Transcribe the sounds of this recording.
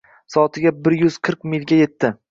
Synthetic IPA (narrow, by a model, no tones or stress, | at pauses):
sɒːt̪ʰɪɡʲabɪɾjʊz̥qʰɨɾqmɪlʲɡʲaje̞t̪ʰːɪ